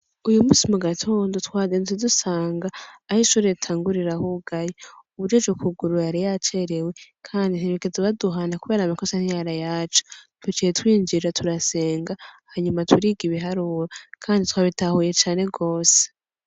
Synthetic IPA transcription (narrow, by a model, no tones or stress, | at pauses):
ujumuːsimuɡatʰo̞ːndo̞twaːzentidusaːŋɡaːhiʃuːɾetʰaːŋɡuɾiɾahuɡajeuβuɾovɡokuɡuɾujaɾijat͡ʃe̞ɾe̞we̞kʰaːndinhiɾekezeβaduɦanakuβe̞ːɾamikosaniɲaɾajaːt͡ʃo̥twet͡ʃietwiːnd͡ʒiɾatʰuɾase̞ːŋɡahaɲumatʰuɾiːɡiβiɦaɾuːɾakʰaːnditwaːβitahuje̞t͡ʃaːne̞ɡo̞ːse̥